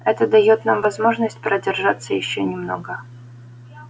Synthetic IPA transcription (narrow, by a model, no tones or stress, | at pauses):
ɛt̪əd̪ɐjot̪namvɐzmo̞ʐnəsʲtʲpɾʔədʲɪrʐat̪sːəjɪɕːonʲɪmno̞̰ɡə